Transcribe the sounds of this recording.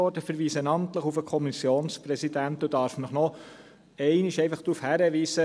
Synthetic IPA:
ɔɾdəfəɾʋiːsənɑmt̪ləχufəkʰɔmisjoːnspɾɛsidænt̪ud̥ɑːɾfnəχnɔ | ɛɪniʃɛɪfɑχd̥ɾufhæɾəʋiːsə

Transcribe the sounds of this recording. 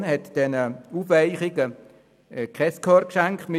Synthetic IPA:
nhɛtd̥ɛnəuːfʋaɪχɪɡə | kʰχɛskʰɔrkʃɛŋktmɪ

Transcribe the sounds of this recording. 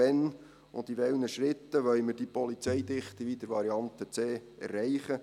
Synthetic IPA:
ɛn | ʊ̰nd̪iʋɛlnəʃɾɪt̪ːəʋœlməɾd̥ipɔlit͡sɛjd̪ɪχt̪iʋid̪̥əɾʋɑɾiɑnt̪ət͡seːɛ̰rɛɪχə

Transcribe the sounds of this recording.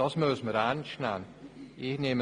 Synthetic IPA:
ɔsmøːsməɾant͡ʃnanihnem

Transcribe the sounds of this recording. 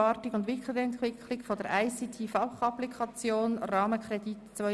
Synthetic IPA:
ɑːtɪɡʊndʋɪklɪɡəɛntʋɪklɪkfod̥əɾaɪsitʰiːfɑlχɑplikʰɑt͡sjoːnrɑːməkrɛditt͡sʋœ

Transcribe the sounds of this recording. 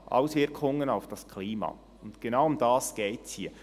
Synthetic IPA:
ʔa̰ʊsvɪɾkʰʊŋənaʊfd̥ɑskʰliːmɑ̰ː | ʊntɡ̥enaʊʊmdɑːsɡ̥eːtshiːə

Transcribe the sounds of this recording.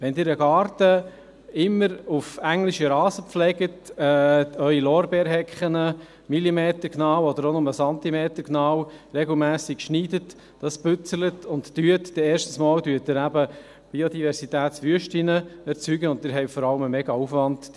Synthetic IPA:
ʋɛndɪːɾəɡɑːɾtə | ɪmːəɾufæŋlɪʃiɾɑːzəpflɛɡətɛœʏilɔːɾbɛːɾɦɛkχənə | milimeːtəɾknɑːwɔd̪əɾonʊməsɑnt̪imeːtəɾknɑːwɾɛɡl̩mæːsɪkʃniːdət | d̥ɑsb̥ʏt͡sələtʊntːyətd̥ɛɛːɾʃtn̩smɑːldyːət̚dɪɾæbə | b̥iodivɛɾsitæːtsʋyəʃtinəɛɾt͡syːɡəʊntɪːɾɦɛɪfɔɾɑləməmɛɡɑufʋɑnt

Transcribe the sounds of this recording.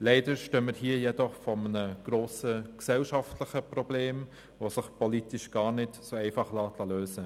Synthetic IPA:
lɛɪdəɾʃtøməɾhiːjɛdɔχfɔmənəɡ̥ɾoːsəksɛlʃɑftlɪxəprɔbleːm | vosɪχpʰɔliːtɪʃɡ̥ɑːɾnɪtsoːɛɪfɑχlɑːtʰlɑløːsə

